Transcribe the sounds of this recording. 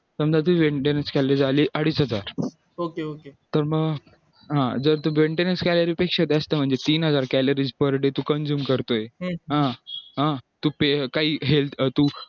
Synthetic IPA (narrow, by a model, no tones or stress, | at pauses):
səmd͡z̪at̪̬uʋeɳʈenənskælɾid͡zaliːʔəɽiːsɦəd͡zaɾ | okeoket̪əɾməɡ | ɦãd͡zəɾt̪uːʋeɳʈenənskæləɾiːpekʂad̪eəst̪əm̤əɳd͡zet̪iːnɦəd͡zaɾkæləɾiːd͡zpəɾɽet̪uːkənd͡ʑuːmkəɾt̪oeɦãɦãt̪upekaɦiːɦelt̪uː